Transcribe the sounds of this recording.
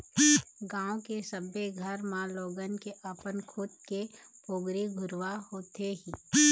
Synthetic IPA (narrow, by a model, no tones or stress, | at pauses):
ɡãːõkesəbeɡʱəɾmãloːɡənkeʔɐpənkʰʊt̪̚kepoːɡɾeɡʱʊɾʋahoːt̪eɦĩː